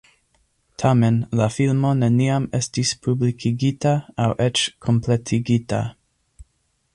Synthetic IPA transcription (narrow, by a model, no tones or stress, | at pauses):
tʰamenlafilmo̞ne̞niame̞stispʰublikʰiɡitaawʔet͡ʃkʰo̞mpletʰiɡita̰